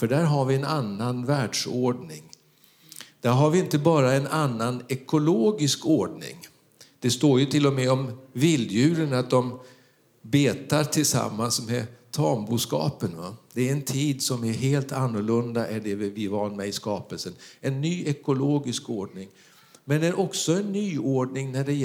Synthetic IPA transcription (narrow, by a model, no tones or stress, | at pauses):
fœɖæːɾɦaɾvɪɛnanːanvæːɖʂoːɖɳɪ̰ŋ | d̪̥æɾɦaɾvɪɪnt̪əbɑːɾaɛnanːanɛkʊloːɡɪskoːɖɳɪ̰ŋ | d̪̥ɛst̪oːɾjɵt̪ʰɪlːɔmɛɔmvɪld̪jʉ̟ːɾənat̪̚d̪ɔm | beːt̪aɾt̪ʰɪlsa̰mːansmɛt̪ʰɑːmbuːskɑ̰ːpənva̰d̪̥ɛæɾɛnt̪ʰiːd̪sɔmæɾɦeːlt̪anːʊɭɵnd̪aʔæɖɛvɪvɑːnmɛɪskɑːpəlsənɛnːyːʔɛkʊloːɡɪskoːɖɳɪŋ | mɛnd̪æɾʔɔksɔɛnːyːoːɖɳɪŋnæɖɛ